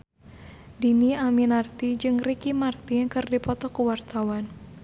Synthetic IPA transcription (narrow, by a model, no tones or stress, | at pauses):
diniaminart̪id͡ʒɨŋrikimart̪ikərdipɔt̪ɔkuwart̪awan